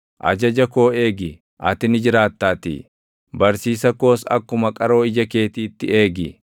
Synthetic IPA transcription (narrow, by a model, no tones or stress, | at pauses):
ʔɐ̰d͡ʒɐd͡ʒɐko̞ːe̞ːɡɪ | ʔɐt̪ɪnɪd͡ʒɪɾaːt̪ːaːt̪ḭ | bɐɾsiːsɐko̞ːsɐ̰kːʊmɐkʼɐɾo̞ːɪd͡ʒɐke̞ːt̪iːt̪ːɪe̞ːɡɪ